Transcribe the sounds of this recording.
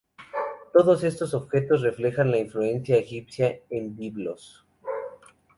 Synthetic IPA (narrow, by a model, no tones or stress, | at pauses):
t̪o̞ðose̞st̪oso̞βxe̞t̪o̞sre̞fle̞xanlaiɱflue̞nsjaexipsjaembiβlos